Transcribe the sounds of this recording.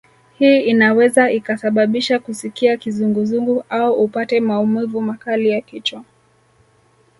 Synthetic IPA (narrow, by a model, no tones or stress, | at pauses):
hiːinawɛzaikasaɓaɓiʃakusikiakizuŋɡuzuŋɡuʔauʔupatɛmaumivumakalijakit͡ʃwa